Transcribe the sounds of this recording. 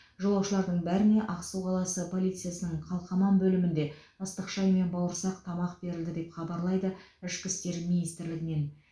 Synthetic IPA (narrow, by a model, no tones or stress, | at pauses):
ʒolˠɑwʃəlˠɑɾd̪əɴbæɾɪne̞ʔɑqsuwqʰɑlˠɑsəpʰo̞lˠijt̪sɨjasənəɴqʰɑlˠqɑmɑnbɵlɪmɪnd̪e̞ | əst̪əqʃɑjme̞nbɑwəɾsɑq̚t̪ʰɑmɑqbe̞ɾɪld̪ɪd̪e̞pχɑbɑɾlˠɑjd̪ə | ɪʃkʲɪst̪e̞ɾminijst̪ɪɾlɪɡʲɪne̞n